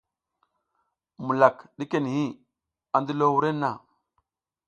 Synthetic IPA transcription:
mu˨la˨kɗi˦ke˨n˨hi˦ | a˨ndi˦lo˦wu˦ɾe˦nːa˨

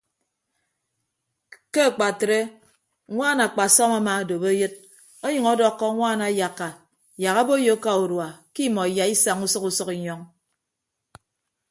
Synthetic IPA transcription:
ke˦a˨k͡pa˨tɾe˦ | ŋʷaː˦na˨k͡pa˨sɔ˦ma˦ma˨do˨be˦jɨ˦t̚ | o˦ɲʌ˨ŋɔ˦dɔ˦kːɔ˦ŋʷaː˦na˨ja˨kːa˨ | ja˨ka˦bo˦jo˦ka˨u˨ɾwa˨ki˦˨mɔ˨i˨ja˨i˦sa˨ŋu˦sʌ˦ku˦sʌ˦ki˨ɲɔ˦ŋ

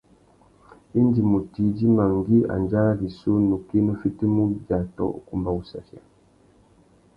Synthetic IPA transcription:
i˦ndi˨mu˨ti˨˦di˦ma˨ŋ˨ɡi˦a̰˨nd͡ʒa˦la˦li˨so˦nu˨ki˦nə˦fi˦ti˦mu˦ba˨tɔ̰˦ʔku˦˨mba˦u˦sa̰˨fja̰˨

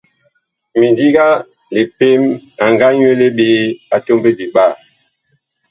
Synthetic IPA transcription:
mi˨ndi˦ɡa˦ | le˨pe˦ma˨ŋɡa˦ɲ˦e˦le˦ɓeː˦a˨to˦mbe˦bi˨ɓa˦˨

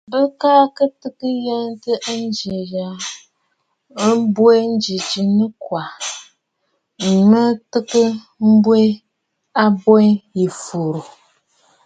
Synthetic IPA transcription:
bə˦kaː˦kə˦tɨ˦kɨ˦jɛ˦ntɨ˦ʔn˦d͡ʒe˨ja˨˦ | bwe˦n̩˦d͡ʒi˨d͡ʒi˨nɨ˦kwa˨ | m̩˨mɨ˦tɨ˦kɨ˦ | m̩˦bwe˦ | a˦bɔ˦ji˨fo˨ɾo˨

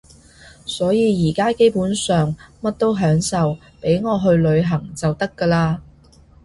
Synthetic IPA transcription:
sɔː˨˥jiː˨˧jiː˨˩kaː˥ke˥jpuː˨˥nsœː˨ŋmɐ˥t̚t̪o˥wɦœː˨˥ŋsɐ˨w | pe˨˥jŋɔː˨˧ɦɵ˧ɥlɵ˨˧ɥɦɐ˨˩ŋt͡sɐ˨wt̪ɐ˥kːəː˧laː˧

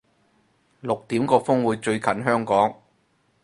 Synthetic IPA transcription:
lʊ˨k̚t̪iː˨˥mkɔː˧fʊ˥ŋwuː˨˧jt͡ʃɵ˧ɥkʰɐ˨˥nɦœː˥ŋkɔː˨˥ŋ

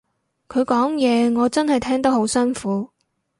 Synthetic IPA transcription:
kʰɵ˨˧ɥkɔː˨˥ŋjɛː˨˧ŋɔː˨˧t͡sɐ˥nhɐ˨jt̪ʰɛː˥ŋt̪ɐ˥k̚ho˨˥wsœː˥nfuː˨˥

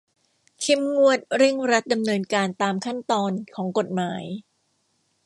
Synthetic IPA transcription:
kʰe˦˥mŋu˥˩ət̪̚ɾɯ˥˩ŋɾa˦˥t̪̚da˧mnɤː˧nkaː˧nt̪aː˧mkʰa˥˩nt̪ɔː˧nkʰɔː˩˦ŋko˨˩t̪̚maː˩˦j

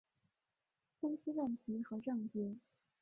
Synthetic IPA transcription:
fə˥nɕi˥wə˥˩nt̪ʰi˧˥xɤ˧˥ʈ͡ʂɤ˥˩ŋt͡ɕjɛ˥˩

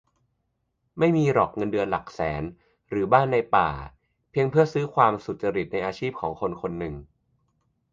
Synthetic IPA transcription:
ma˥˩jmiː˧ɾɔː˨˩k̚ŋɤ˧ndɯ˧ənla˨˩k̚sɛː˩˦n | ɾɯː˩˦baː˥˩nːa˧jpa̰ː˨˩ | pʰi˧əŋpʰɯ˥˩ɐəsɯː˦˥kʰwaː˧msu˨˩t̪̚t͡ɕa˧ɾi˨˩t̪̚na˧jʔaː˧t͡ɕʰiː˥˩p̚kʰɔː˩˦ŋkʰo˧nkʰo˧nːɯ˨˩ŋ

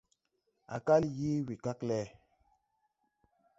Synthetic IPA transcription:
a̰˨ka˦lji˦wi˨ka˦klɛ˦

